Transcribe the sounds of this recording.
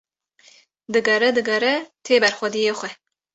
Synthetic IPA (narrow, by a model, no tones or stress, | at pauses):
d̪ɨɡɐɾɛd̪ɨɡɐɾɛt̪ʰeːbɛɾxʷɛd̪ijeːxʷɛ